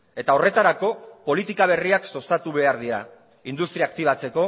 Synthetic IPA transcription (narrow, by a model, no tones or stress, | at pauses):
e̞t̪ao̞re̞t̪aɾako̞po̞lit̪ikaβ̞e̞riakso̞st̪at̪uβe̞aɾðiɾa | ind̪ust̪ɾiaːkt̪iβ̞at͡se̞ko̞